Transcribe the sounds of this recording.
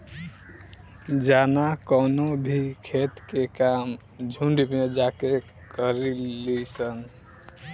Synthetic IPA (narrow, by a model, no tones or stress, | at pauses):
d͡ʒanakɔnobʱikʰet̪kekam | d͡ʒʱuɳɖmed͡ʒake | kəɾilisən